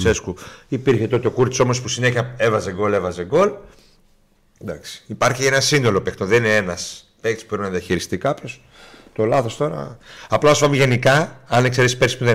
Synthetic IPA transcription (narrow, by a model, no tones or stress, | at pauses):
seskuipiɾçe̞t̪o̞t̪eokuɾt̪i̥so̞mo̞spusine̞çiɐe̞vɐzeɡo̞le̞vɐzeɡo̞l | d̪ɐksi̥ipɐɾçienɐsind̪o̞lo̞pekt̪oðenineenɐs | pekt̪spupɾinɐðiɐçiɾist̪ikɐpços | t̪o̞lɐθo̞st̪o̞ɾɐ̰ɐplɐsuvɐmiʝe̞nikɐɐnekse̞ɾespeɾsi̥spuðe